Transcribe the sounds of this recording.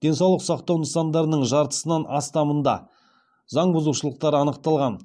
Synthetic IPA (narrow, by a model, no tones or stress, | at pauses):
d̪̥e̞nsɑwlˠəqsɑqt̪ɑwnəsɑnd̪ɑɾənəɴʒɑɾt̪ə̥sənɑnɑst̪ɑmənd̪ɑ̰ | zɑɴbʊzuʃəlˠəq̚t̪ɑɾəɑnəqt̪ɑlˠʁɑn